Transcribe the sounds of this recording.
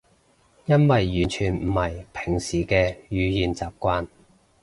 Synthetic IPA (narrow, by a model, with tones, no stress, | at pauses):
jɐ˥nwɐ˨jːyː˨˩nt͡ʃʰyː˨nm̩˨˩hɐ˨˩jpʰɪ˨˩ŋsiː˨kɛː˧jyː˨˧jiː˨nt͡saː˨p̚kʷaː˧˥n